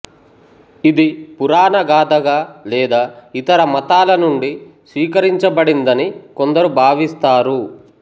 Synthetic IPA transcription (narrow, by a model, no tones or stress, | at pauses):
id̪ipuɾaːnɐɡaːd̪ɐɡaːlɛːd̪aːit̪ɐɾɐmɐt̪aːlɐnuɳɖisʋiːkɐɾiɲt͡ʃɐbɐɽind̪ɐnikond̪ɐɾubʱaːʋist̪aːɾu